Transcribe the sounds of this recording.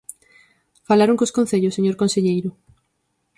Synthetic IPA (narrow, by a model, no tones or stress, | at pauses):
falaɾõŋkoskõn̟θeʎosːeɲoɾkõnseʎejɾʊ